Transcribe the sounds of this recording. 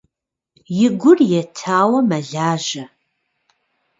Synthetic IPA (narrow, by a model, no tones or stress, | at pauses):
jɪɡʷʊrjɛtʰaːwɐmɐɮaːʒɐ